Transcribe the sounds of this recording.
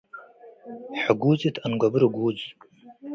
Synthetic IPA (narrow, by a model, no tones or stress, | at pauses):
ħaɡʷuːzitʰanɡʷabɨɾɨɡʷuːd͡z